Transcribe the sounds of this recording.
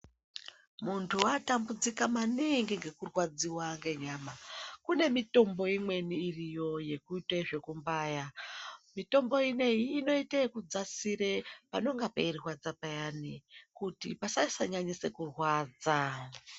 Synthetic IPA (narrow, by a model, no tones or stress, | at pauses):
muntʰuatambud͡zikamaniŋɡiŋɡe̞kurwad͡ziwaŋɡe̞ɲaːmakune̞mito̞mbo̞imwe̞niːrijo̞je̞kuiteʐe̞kumbaːjamito̞mbo̞ine̞iːno̞itakud͡zasiɾepano̞ŋɡapairirwad͡zapajanikutipasaisaɲaɲise̞kurwaːd͡za